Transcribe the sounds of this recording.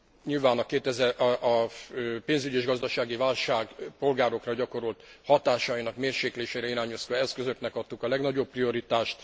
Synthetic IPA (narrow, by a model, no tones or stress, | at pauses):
ɲilvaːnɒkeːt̪ɛzɛʔʔɒpeːnzyɟieːʒɡɒzd̪ɒʃaːɡivaːlʃaːɡpo̞lɡaːɾo̞krɒɟɒko̞ɾolt̪hɒt̪aːʃɒinɒkmeːrʃeːkleːʃɛɾɛiɾaːɲoskɒɛskøzø̞knɛkɒt̪ːukɒlɛɡnɒɟopːrio̞ɾit̪aːʃt̪